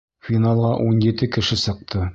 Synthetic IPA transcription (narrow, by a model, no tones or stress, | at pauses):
fʲinɑlˠʁɑʔunjɘ̆t̪ɘkɘ̆ʃɘsɤ̆q̚t̪ɤ